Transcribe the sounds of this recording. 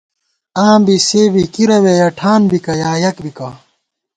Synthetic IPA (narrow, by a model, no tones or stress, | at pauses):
aːmbiseːbikiɾɐwejɐʈʰaːnbikɐjaːjɐkbikɐ